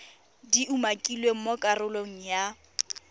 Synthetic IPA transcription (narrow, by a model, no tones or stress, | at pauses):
diʔumakʼilweŋ̩mokʼarʊloŋ̩ja